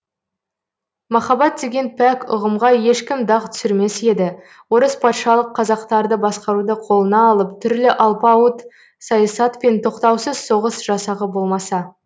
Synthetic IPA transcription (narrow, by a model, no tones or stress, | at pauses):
mɑχɑbɑt̪̚d̪e̞ɡʲe̞npʰækʊ̰ʁəmʁɑje̞ʃkʲɪmd̪ɑqt̪ʰʏ̥sɪɾme̞se̞d̪ɪ | wo̞ɾəspʰɑt̪ʃɑlˠəqʰːɑzɑqt̪ɑɾd̪əbɑsqɑɾud̪əqʰo̞lˠənɑːlˠəpt̪ʰʏɾlɪʔɑlˠpɑət̪ | sɑjɑsɑt̪pe̞nt̪ʰo̞qt̪ɑwsəz̥so̞ʁəsʒ̥ɑsɑʁəbo̞lˠmɑsɑ